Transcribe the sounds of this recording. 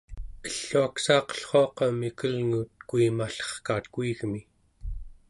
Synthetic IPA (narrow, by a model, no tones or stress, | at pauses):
əɬːuaksɑːqʌ̥ɬχoɑqɑmikəlŋut̪kuimaɬʌ̥χkaːt̪kuiɣmi